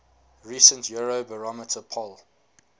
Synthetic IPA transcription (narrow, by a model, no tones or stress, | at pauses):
ɹisə̃ntjuɹobəɹɔmətʰəpʰɔl